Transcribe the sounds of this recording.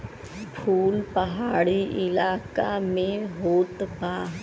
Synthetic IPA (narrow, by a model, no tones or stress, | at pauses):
pʰuːlpəɦaːɽiʔɪlaːkamẽɦoːt̪paː